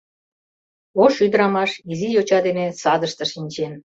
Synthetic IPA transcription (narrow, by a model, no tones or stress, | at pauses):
oʃyd̪əɾɑmɑʃizijot͡ɕɑd̪enesɑd̪əʃt̪ɤ̆ʃinʲt͡ɕen